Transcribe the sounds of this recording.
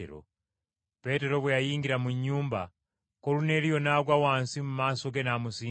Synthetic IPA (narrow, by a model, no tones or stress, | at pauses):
ɾo̰ | pe̞te̞ɾo̞βwejajiːŋɡiɾamuɲːuːmba | kolune̞ːlijo̞naɡwawaːnsimumaːsoɡe̞namusiː